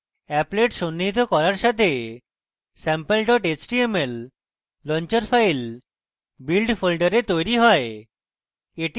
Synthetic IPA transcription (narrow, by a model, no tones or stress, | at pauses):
ɛpleʈʃonːit̪̬okɔɾaɾʃat̪ʰe | sɛmpelɖɔʈet͡ɕʈiemelː | ɔɲt͡ɕeɾfʰajl | bilɖfʰolɖəɾet̪ojɾiɦɔe | eʈi